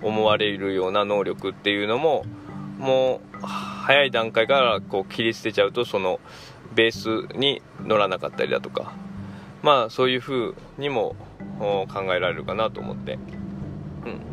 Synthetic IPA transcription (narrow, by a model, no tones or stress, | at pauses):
omo̞βaɾe̞iɾɯ̟jo̞ːnano̞ːɾʲo̞kɯ̟t̪ːe̞jɯ̟ːno̞mo̞mo̞ː | hajaid̪ãŋkaikaɾako̞ːkʲiɾʲisɨ̥t̪e̞t͡ɕaɯ̟t̪o̞so̞no̞ | be̞ːsɨɲ̟i | no̞ɾanaka̰t̪ːa̰ɾʲḭd̪a̰t̪o̞̥ka̰ | maːso̞ːjɯ̟ːɸɯ̟ːɲ̟imo̞̰ | kãŋɡae̞ɾaɾe̞ɾɯ̟kanat̪o̞̰ːmʔo̞̰t̪ːe̞̰ | ɯ̟̃ɴ